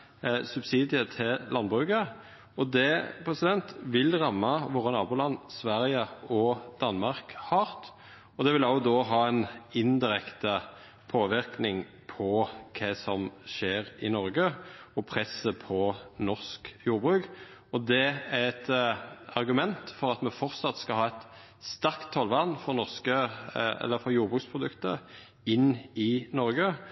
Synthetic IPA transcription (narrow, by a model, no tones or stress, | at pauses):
sʉbsiːd̪ɪət̪ʰɪllɑnbʁʉːkə | ɔd̪ɛpʰɾɛsɪd̪ɛnt̪ʋɪlʁɑmːɑʋɔʁɑnɑːbʊːlɑnːsʋæɾɪəɔd̪̥ɑnmɑʁkhɑːʁt̪ | ɔd̪ɛʋɪlɑʊd̪oːɦɑːɛnɪnd̪ɪɾɛkt̪ə | pʰoːʋɪɾknɪŋ | pʰɔkʰɛsɔmʃeːɾɪnɔɾɡəɔpʰʁɛsəpʰɔnɔʁskjuːɾbʁʉːk | ɔd̪ɛæɾɛt̪ɑʁɡʉmɛnt̪fɔɾɑt̪mɛfɔʁt̪sɑt̪skɑɦɑːɛt̪ | st̪ɑɾkt̪ʰːɑlʋɑnfɔʁnɔʁskəɛ̰lːəɾfɔɾjuːɾbʁʉːkspʰʁʊd̪ʉkt̪ə̰ | ɪnːɪnɔɾɡə